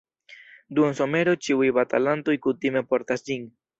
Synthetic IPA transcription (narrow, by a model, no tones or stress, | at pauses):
duenso̞me̞ɾo̞t͡ʃiujbatalanto̞jkutime̞po̞ɾtasd͡ʒin